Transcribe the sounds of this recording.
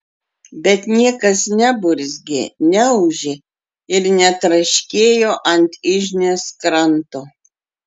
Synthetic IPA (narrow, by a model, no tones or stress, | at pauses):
bʲɛt̪nʲiɛkɐsnʲɛbʊɾʲzʲɡʲɪnʲɛʊʒʲɪ | ɪɾnʲɛt̪ɾɐʃʲkʲeːjoːʔɐnʲt̪ʲɪʒʲnʲeːskɾɐnt̪oː